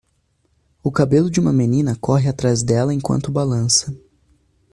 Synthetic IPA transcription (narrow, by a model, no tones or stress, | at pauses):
ʊkabelʊd͡ʒɪũmɐmenĩnɐkɔɦɪat̪ɾazd̪ɛlɐẽkwɐ̰̃nt̪ʊbalɐ̃sɐ